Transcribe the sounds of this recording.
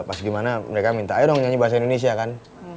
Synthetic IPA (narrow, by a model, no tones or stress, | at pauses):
pasɡimanaməɾekamint̪aːidɔŋɲaɲibaɦasaindones̬iakan